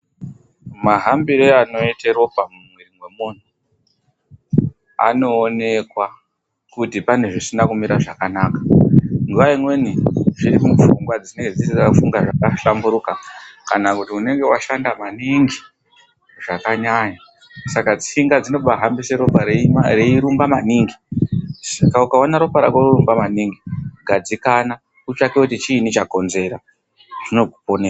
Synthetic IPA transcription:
maɦambiɾeano̞itero̞bʱamumwerimwe̞mun̤u | a̰no̞ːne̞kwa | kutipane̞ʐisinakumiɾaʐakanakḁŋɡuʋaimwe̞niʐiɾimufuŋɡwad͡zineŋɡe̞d͡zisiafuŋɡaʐakaɬambuɾukakanakutiune̞ŋɡe̞waʃandamaniŋɡi | ʐakaɲaɲa | sakad͡ziiŋɡad͡zino̞ɓaɦambiseɾopareiɾumbamaniːŋɡisakaukaonaɾo̞paɾa̰kwororumbamaniŋɡiɡʱad͡zikana | ut͡ʃakeutit͡ʃiːnit͡ʃako̞nze̞ɾa | ʐ̥ino̞ɡʱuponea

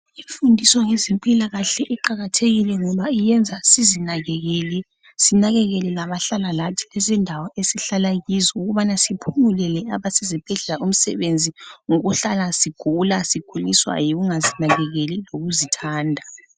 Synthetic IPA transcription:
iɱfundʱisɔŋezimpʼilaɣaɬɛʔiǃaɣatʰeɣilɛŋɔβaijɛnd͡zʱasizinaɣɛɣɛːlɛ | sinaɣɛɣɛlɛlaβaɬalalatʰi̥lɛzɛndʱawɔesiɬalaɣizɔuɣuβanasipʰumulɛlɛaβasɛzib̥ʱɛɮɛlaʔum̩sɛ̰βend͡zʱiŋɔɣuɬalasiɡ̥ʱulasiɡ̥ʱuliswa̰jiɣuŋazinaɣɛɣeliloɣuzitʰaːndʱa

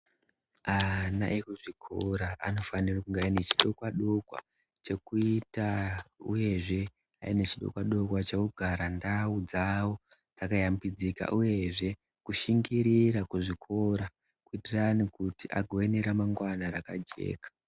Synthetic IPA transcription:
ana̰ʔekuʐikʰo̞ɾaa̰no̞fanirakuŋɡainet͡ʃi̥ɗo̞kwaɗo̞kwa̰ | t͡ʃe̞kuitaṵje̞ʐe̞ | a̰inet͡ʃiɗo̰kwaɗo̞kwat͡ʃekuɡʱaɾandaud͡zawo | d͡zakajambid͡zika̰ʔuje̞ʐe̞ | kuʃiŋɡiɾirakuʐikʰo̞ɾa | kuitiranikutiʔa̰ɡʱoeneɾamaŋɡwanaɾakad͡ʒe̞̰ːkḁ

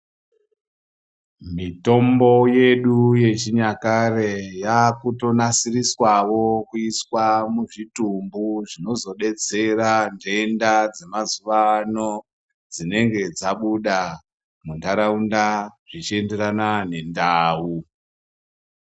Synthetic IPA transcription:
mito̞mbo̞je̞ɗuje̞t͡ʃiɲakarejakuto̞nasiriswawo̞kuiswamuʐitumbuʐino̞zo̞ɗe̞t͡se̞rande̞ndad͡zemazuʋano̞ | d͡zine̞ŋɡe̞d͡zaɓuɗa | mundaɾaundaʐit͡ʃie̞nde̞ranane̞ndaːu

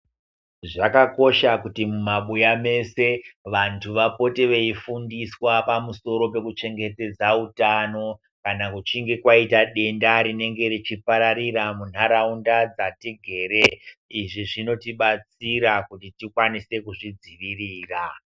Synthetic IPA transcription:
ʐakako̞ʃakutimumaɓujame̞se̞ʋantʰuʋapo̞teʋeifundiswapamuso̞ɾo̞pe̞kut͡ʃe̞ŋɡe̞te̞d͡zautano̞ | kanakut͡ʃiŋɡe̞kwaitaɗe̞ndaɾine̞ŋɡe̞ɾit͡ʃipaɾaɾiɾamun̤aɾaundad͡zatiɡʱe̞ːɾeiʐiʐino̞tiɓat͡siɾakutitikwanise̞kuʐid͡ziʋiriːra

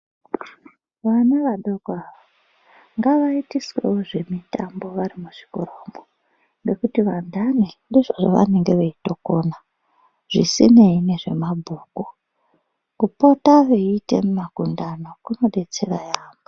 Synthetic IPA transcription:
ʋanaʋaɗoɡʱaʋa | ŋɡaʋaitiswḛwoʐe̞mitambo̞ʋaɾimuʐ̥i̥koroːmo | nɡe̞kutiʋandanindiʐoʐoʋa̰ne̞ŋɡe̞ʋeitokona | ʐ̥isineine̞ʐe̞mabʱuːku | kupo̞taʋeite̞̰mumakundano̞kuno̞ɗe̞t͡se̞rajaːmo

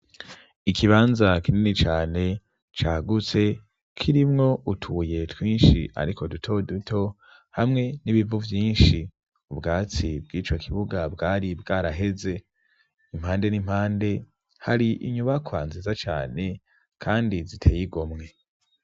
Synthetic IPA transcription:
ikʰiβaːnzakininit͡ʃaːne̞ | t͡ʃaːɡut͡se̞ | kʰiɾimŋo̞utʰuje̞twiːnʃiʔa̰ɾikʰo̞dutʰo̞dutʰo̞ | hamŋe̞niβivuvjiːnʃi | ubɡaːt͡sibɡiːt͡ʃo̞kʰiβuɡabɡaːɾibɡaːɾaɦe̞ze̞ | imhaːnde̞nim̥haːnde̞ | haɾiʔḭɲuβakʰwaːnzizat͡ʃa̰ːne̞ | kʰaːndizitʰeːjiɡomŋe̞

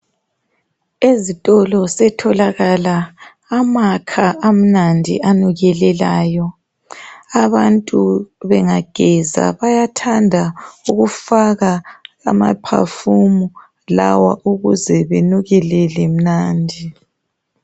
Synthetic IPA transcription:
ezitʼɔlɔsɛtʰɔlaɣalaː | makʰaam̩nandʱḭʔanuɣɛlɛlaːjɔ | aβantʼuβɛŋaɡ̥ʱɛza̰βajatʰandʱauɣufaɣaɣa̰ma̰pʰa̰fumu | la̰wa̰ʔuɣuzɛβenuɣɛlɛlem̩naːndʱi

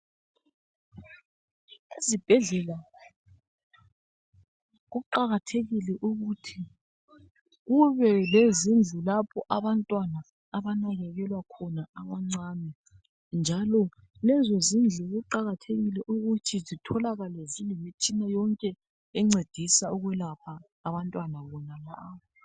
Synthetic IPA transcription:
izib̥ʱɛɮɛla | ɣuǃaɣatʰeɣilɛʔuɣutʰi | ɣuβɛlezind͡ɮʱulapʰɔʔaβantʼwanaː | βanaɣɛɣɛlwakʰɔnaamaŋ͡ǀanɛ | nd͡ʒʱalɔ | lɛzezind͡ɮʱuɣuǃaɣatʰeɣilɛʔuɣutʰizitʰɔlaɣalezinemit͡ʃʼinajɔŋkʼɛ | ɛŋ͡ǀed̥ʱisauɣwɛlapʰaː | βantʼwanaβɔnalaβɔ

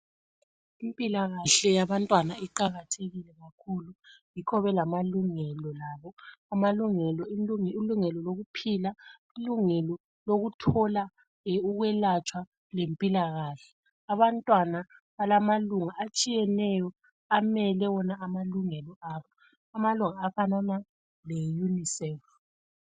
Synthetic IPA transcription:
impʼilaɣaɬɛjaβantʼwanaiǃaɣatʰeɣilɛɣakʰulujikʰɔβɛlamaluŋɛlɔlaːβɔamaluŋɛlɔiŋiluŋɛlɔloɣupʰila | iluŋɛlɔ | loɣutʰɔla | uɣwɛlat͡ʃʼwa | lempʼilaɣaːɬɛ | aβantʼwanaβalamaluŋaʔat͡ʃʼijɛnɛjɔ | amɛlɛwɔnaamaluŋɛlɔaːβɔ | amaluŋaːfanana | lɛjunisɛf

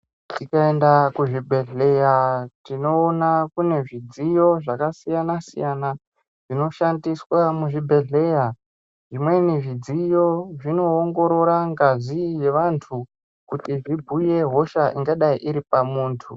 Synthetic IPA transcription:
tikaendakuʐibʱe̞ɮe̞jatino̞ːnakune̞ʐid͡zijo̞ʐakasijanasḭjana | ʐ̥ino̞ʃandiswamuʐibʱe̞ɮe̞ja | ʐimwe̞niʐid͡zijo̞ʐino̞ːŋɡo̞ɾo̞ɾaŋɡazije̞ʋantʰu | kutiʐibʱuje̞ɦo̞ʃaʔiŋɡaɗaiʔiɾipamuːntʰu

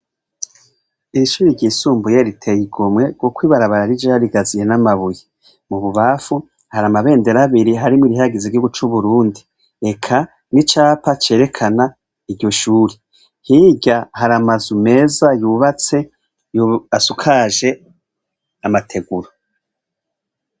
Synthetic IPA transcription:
iɾiʃuːɾiɾɟiːsuːmbujeɾitʰejiɡomŋe̞ɾɡokwiːβaɾaβaɾaɾid͡ʒaaɾiɡazije̞namaβuje | muβuβafu | haɾamaβe̞ːnde̞ɾaβiɾiɦaɾimwiɾiɦaɡiziɡihuɡut͡ʃuβuɾuːndi | e̞kʰa | nit͡ʃaːpat͡ʃe̞ːɾe̞kʰana | iɾɟo̞ʃuːɾi | hiɟahaɾamazume̞ːzajuβat͡se̞ | juasukʰaːʒe̞ | amatʰe̞ɡuɾo

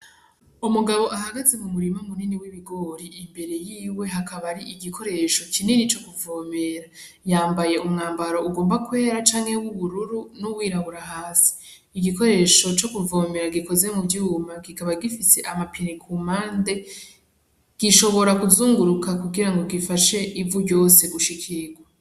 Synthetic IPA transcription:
umuɡaβo̞ʔaɦaɡaze̞mumuɾimamuniniwiβiɡo̞ɾiːmbe̞ɾe̞jiːwe̞ɦakaβaɾiʔiɡikʰo̞ɾe̞ʃo̞cininit͡ʃo̞kuvoːme̞ɾa | jaːmbaje̞ʔumŋaːmbaɾo̞uɡo̞ːmbakwe̞ːɾat͡ʃaːŋhe̞wuβuɾuɾunowiːɾaβuɾaɦaːsi̥ | iɡiko̞ɾe̞ʃo̞t͡ʃo̞kuvo̞ːme̞ɾaɡiko̞ze̞mubjuːmaɡikaβaɡifise̞ʔamapinikʰumaːnde̞ | ɡ̥iʃo̞βo̞ɾakuzuːŋɡuɾukakuɡiɾaŋɡo̞ɡifaʃe̞ʔivuɟo̞ːse̞ɡuʃikʰiɡwa

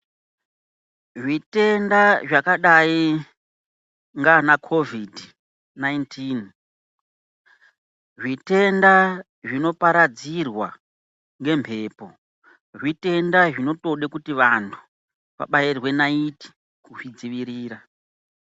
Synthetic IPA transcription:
ʐite̞ndaʐakaɗai | ŋɡanakʰo̞vidʱi | naintʰin | ʐite̞nda | ʐino̞paɾad͡zirwa | ŋɡe̞mpʰe̞ːpo̞ | ʐite̞ndaʐino̞to̞ɗekutiʋantʰu̥ | ʋa̰ɓairwe̞naiti̥ | kuʐid͡ziʋiɾiːɾa

